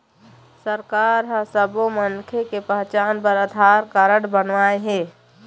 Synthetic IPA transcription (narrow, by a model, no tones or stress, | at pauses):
səɾkaːɾɦə̃səbomənkʰekepəɦt͡ʃaːnpəɾəd̪ʱaːɾkaɾəɽbənʋaːeɦẽː